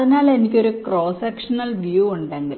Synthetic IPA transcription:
ɐðinaːɭenikʲːo̞ɾukro̞ːsɐkʂɐnɐlʋijuːuɳɖeːŋɡil

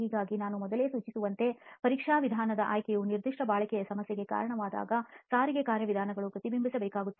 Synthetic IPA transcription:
iːɡaːɡinaːnumɔd̪ɐle̞suːt͡ʃisuʋɐnt̪e̞pɐɾiːkʂaːʋid̪ʱaːnɐd̪ɐʔaːjkɛjuniɾd̪ʱiʂʈɐbaːɭɐkɛjɐsɐmɐsjeɡe̞ka̰ːɾɐɳɐʋaːd̪a̰ːɡɐsaːɾiɡekaːɾjɐʋid̪ʱaːnɐɡɐɭukɾɐt̪ibimbʱisɐbeɛːkaːɡut̪ːe

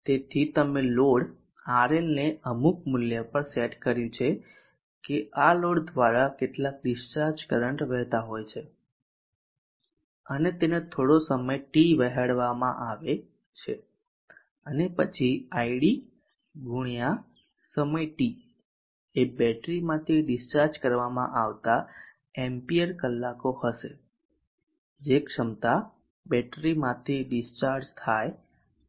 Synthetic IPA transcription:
t̪et̪ʰit̪əmeloɽ | aɾelneəmuk̚mʊljəpəɾseʈkəɾjũt͡ʃʰe | keʔaloɽd̪ʋaɾakeʈlak̚ɖɪʃt͡ʃaɾd͡ʒkəɾəɳʈɾɛɦt̪aɦojt͡ʃʰe | ənet̪enet̪ʰoɽosəməjʈiʋəɦaɽʋamãʔaʋe | t͡ʃʰḛ | ənepət͡ʃʰiaijɽi | ɡʱuɳ̃ija | səməjʈi | ebɛʈɾimãt̪ʰiɖɪst͡ʃaɾd͡ʒkəɾʋamã̰ʔaʋt̪a | ɛmpijəɾkəlːakohəʃe | d͡ʒekʂəmt̪a | bɛʈɾimãt̪ʰiɖɪst͡ʃaɾd͡ʒt̪ʰaj

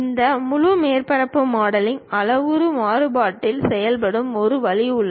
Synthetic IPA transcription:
ɪnd̪ɐmʊɻʊmeːrpɐɾɐpːɯmaːɽɐlɪnɐlɐʋɯɾɯmaːɾɯbaːʈːɪlsɛjɐlpɐɽɯmɔɾɯʋɐɭɪʊɭːɐ

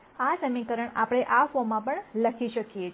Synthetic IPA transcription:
asəmikəɾəɳapəɽ̃eʔafomãpəɳləkʰiʃəkije

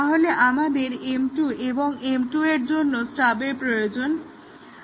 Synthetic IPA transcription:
t̪aɦoleʔamad̪eɾemʈuʔeboŋemʈueɾd͡ʑonːosʈabeɾpɾojod͡ʑon

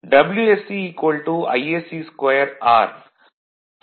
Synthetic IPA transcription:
ɖɐbljuesiiːkʋɐlʈuɐ̰jesiskejəɾaːɾ

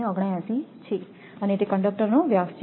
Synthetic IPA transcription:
eəɡɽajãsit͡ʃʰe | ənet̪ekəɳɖək̚ʈəɾnoʋjast͡ʃʰ

